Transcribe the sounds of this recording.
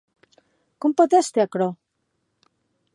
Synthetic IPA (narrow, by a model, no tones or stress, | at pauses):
kompot̪est̪eakɾo